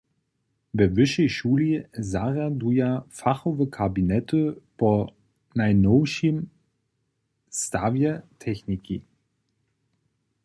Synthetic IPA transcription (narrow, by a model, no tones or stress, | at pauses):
bɛvʏʃeʃuːlizaːʁadujafaχovəkʰabinɛtəpʰɔ | naɪnoʊʃim | stavjətʰɛçniki